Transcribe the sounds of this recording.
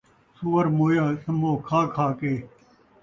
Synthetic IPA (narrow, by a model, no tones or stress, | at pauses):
suwɐɾmoːjaːsɐmoːkʰaːkʰaːkeː